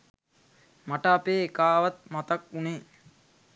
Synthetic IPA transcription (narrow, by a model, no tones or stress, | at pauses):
maʈəːpeːkaːʋat̪̚mat̪akuneː